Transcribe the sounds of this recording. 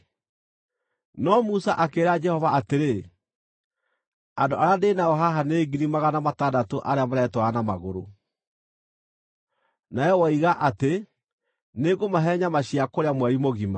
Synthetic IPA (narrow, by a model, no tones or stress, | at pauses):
nɔmusaʔakeːɾad͡ʒɛhɔvaateɾe | andoʔaɾandenaɔɦaɦaneːɡiɾimaɣanamatadatoʔaɾeamaɾɛtwaanamaɣoɾo | naɛwɔiɣaʔate | neːɡomaɦɛɲamaɕiakoɾeamwɛɾimoɣima